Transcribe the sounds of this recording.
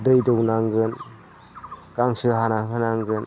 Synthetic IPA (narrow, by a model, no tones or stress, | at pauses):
dɯjdɔwnaŋɡɯn | ɡ̥aŋsɯɦanaɦɯnaŋɡɯn